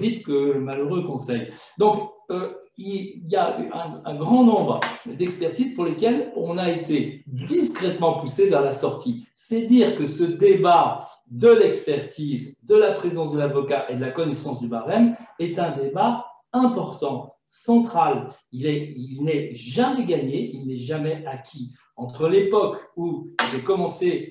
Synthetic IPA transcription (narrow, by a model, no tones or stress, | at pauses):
vit̪kələmaløʁøkɔ̃sɛjd̪ɔ̃køilljayɛ̃ɛ̃ɡʁɑ̃nɔ̃bʁəd̪ɛkspɛʁt̪izpuʁləkʲɛlɔ̃naet̪ed̪iskχɛt̪mɑ̃pusevɛʁlasɔʁt̪ʰi | sɛd̪iʁkəsəd̪eba | d̪əlɛkspɛʁt̪izd̪əlapχezɑ̃sd̪əlavɔkaʔed̪əlakɔnesɑ̃sd̪ybaʁɛnɛt̪ɛ̃d̪eba | ɛ̃pɔʁt̪ɑ̃ | sɑ̃t̪χal | ilɛilnɛʒamɛɡaɲeilnɛʒamɛakʲʰi | ɑ̃t̪χəlepɔkuʒekɔmɑ̃se